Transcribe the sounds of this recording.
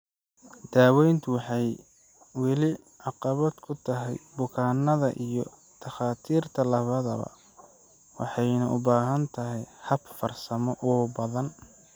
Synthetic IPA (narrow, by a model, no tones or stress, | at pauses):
d̪̥aːwɛjnt̪ʰʊwɑħɑj | wɑlɪ | ʕɑqɑβɐd̪kʰʊt̪ʰɐɦɛjbʊkʰaːnːɐðɐ̰ʔijɞ | d̪̥ɐxaːt̪ʰiːrt̪ʰɐlɐβɐðɐβɐ̰ | wɑ̰ħɑjnɐʔʊbaːɦɐnt̪ʰɐɦɛjhɐbfɐrsɐmɔʔʊbɐðɐn